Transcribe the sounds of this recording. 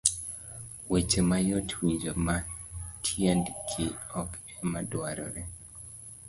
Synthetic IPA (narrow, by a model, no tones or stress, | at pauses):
wet͡ʃemajotʰwid͡ʒomatʰjendkʰɪɔkɛmadwaɾɔ̰ɾe